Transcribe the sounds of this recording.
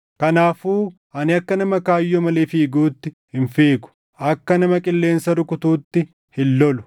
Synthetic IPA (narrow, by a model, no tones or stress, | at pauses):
kɐnaːfuː | ʔɐnɪɐkːɐnɐmɐkaːjːɔmɐleːfiːɡuːt̪ːɪ | hɪnfeːɡʊ̥ | ʔɐkːɐnɐmɐkʼɪlːe̞ːnsɐɾʊkʊt̪uːt̪ːɪ | hɪlːɔlʊ̥